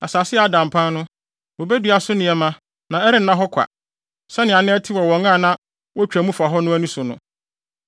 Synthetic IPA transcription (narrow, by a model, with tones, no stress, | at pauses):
a˨saː˨sɪ˦ɛ˨a˦dã˨m˨pʰã˦nnʊ̃˦ | wɔ˨be˦dɥa˨sʊ˦nɪ̃˨ɛ˨mã˦ | nã˨ɛ˦ɾɪ˦n̩˦nã˦ɦɔ˦kʷʰa̰˨ | sɛ˦nɪ̃˨a˨nɪ̃˦ɛ˦tʰɪ˦wɔ˨wɔ̃˨ŋã˦˨nã˦ | wɔ˦t͡ɕᶣæ˨mũ˦fa˨ɦɔ˦nʊ̃˦æ˦nĩ˦sʊ˨nʊ̰̃˨